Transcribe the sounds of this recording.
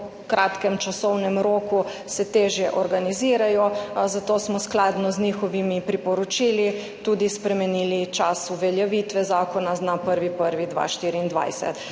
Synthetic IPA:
kɾat̪kɛmt͡ʃasɔwnɛmɾoːku | sɛt̪eːʒjɛʔɔɾɡaniziːɾajɔzat̪oːsmɔsklaːd̪nɔzniːxɔʋimipɾipɔɾɔt͡ʃiːli | t̪uːd̪ispɾɛmɛniːlit͡ʃasuʋɛljɛʋiːt̪ʋɛzaːkɔnaznapəɾʋipəɾʋid̪ʋa̰ːʃt̪iːɾiːnd̪ʋa̰jsɛ̰t̪

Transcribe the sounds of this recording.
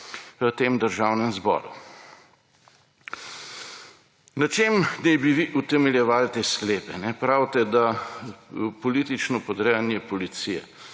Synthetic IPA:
ʋət̪eːmd̪əɾʒawnɛmzbɔ̰ːɾṵ | nɐt͡ʃemnɛjbiʋiʔut̪ɛmɛljɛʋaːlt̪eːskleːpɛnɛpɾawt̪ɛd̪a | pɔliːt̪it͡ʃnɔpɔd̪ɾɛjanjɛpɔlit̪sijɛ̰

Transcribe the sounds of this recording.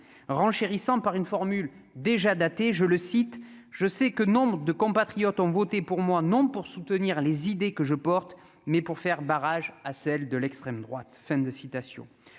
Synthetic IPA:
ʁɑ̃ʃeʁisɑ̃paʁynfɔʁmyl | d̪eʒad̪at̪eʒələsit̪ʒ̥əsɛkənɔ̃bʁəd̪əkɔ̃pat̪χijɔt̪ɔ̃vɔt̪epuʁmwanɔ̃puʁsut̪əniʁlezid̪ekəʒəpɔʁt̪ | mɛpuʁfɛʁbaʁaʒasɛld̪əlɛkst̪χɛmd̪ʁwa̰t̪fɛ̃d̪əsit̪asjɔ̰̃

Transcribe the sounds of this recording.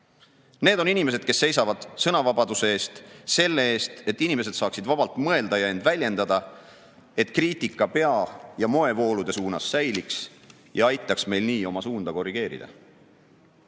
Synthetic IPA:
ne̞ːd̪o̞ninime̞s̬ed̪̥̚ke̞sːe̞jsɑvɑd̪̥sɤnɑvɑbɑd̪use̞eːst̪se̞lːe̞e̞ːst̪e̞t̪ːinime̞s̬e̞d̪sɑːksid̪vɑb̥ɑlt̪ˑmɤeld̪ɑjɑe̞nd̪̥vælʲje̞nd̪̥ɑd̪̥ɑ | e̞t̪kriːt̪ikːˑɑpe̞ɑjɑmo̞e̞vo̞ːlud̪e̞suːnɑsːæjliks | jɑɑjt̪ˑːɑksme̞jlniːo̞mɑsuːnd̪̥ɑko̞rːiɡ̥e̞ːɾḭd̪̥ɑ̰

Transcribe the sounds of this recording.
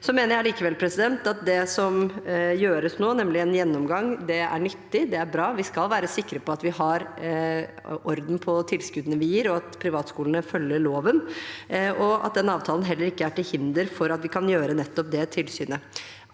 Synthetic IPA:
sɔmeːnəɾjæɪliːkəʋɛlpʰɾɛsɪd̪ɛnt̪ɑt̪̚d̪ɛsɔmjøːɾəsnoːnɛmlɪɛnjɛnːɔmɡɑŋd̪ɛæ̰ɳʏt̪ːɪd̪ɛæɾbɾɑːʋɪskɑlʋæːɾəsɪkːɾəpʰɔɑt̪ʋɪhɑɾ | ʔɔɾd̪n̩pʰɔt̪ʰɪlskʉd̪ənəʋɪjiːɾɔɑt̪pʰɾɪʋɑːt̪skuːlənəfœljəɭoːʋən | ɔɑ̰t̪̚d̪ɛnɑːʋt̪ʰɑːlənɦɛlːəɾɪkːəæʈɪlhɪnd̪əɾfɔɾɑt̪ʋɪkʰɑnjøːɾənɛt̪ːɔp̚d̪ɛt̪ʰɪlsyːnə

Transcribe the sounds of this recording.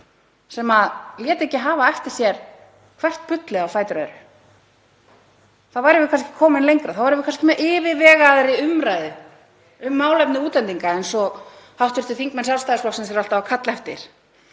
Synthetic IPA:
sɛmaðljɛːt̪ɛcɪɦaːvaɛft̪ɪ̥sjɛɾ̥ | kʰvɛr̥t̪̚pʏt̪lɪɣawfaːjt̪ɾajðɾʏ | θaðvajɾɪvɪkʰanscɪ̥kʰɔːmɪnlejŋkɾaθaðvaɾɪvɪkʰanscɪmɛʔɪːvɪvɛːɣaðɾɪʏmɾaːjðɪ | ʏmːaːwlɛpnɪuːt̪lɛnt̪iŋkaɛjnsɔ | hawht̪fɪɾ̥t̪ɪθiŋkmɛnsjalst̪aːðɪsfɔksɛmsɛɾal̥t̪aakʰat̪lhɛft̪ɪ̰ɾ̥

